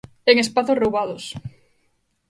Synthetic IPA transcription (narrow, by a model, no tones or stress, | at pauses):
eŋespaθosrowβaðos